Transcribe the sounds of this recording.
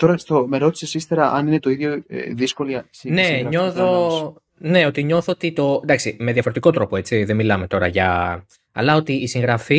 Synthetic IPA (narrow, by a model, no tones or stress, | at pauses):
t̪o̞ɾɐst̪omeɾo̞t̪i̥sesist̪eɾɐʔɐninet̪o̞iðʝo̰ðisko̞liɐsne̞ɲoθo | ne̞o̞t̪iɲo̞θoot̪it̪o̞nd̪ɐksime̞ðjɐfoɾet̪iko̞t̪ɾo̞po̞e̞t͡siðemilɐmet̪o̞ɾɐʝɐ | ɐ̰lɐo̞t̪iːsiŋɣɾɐfi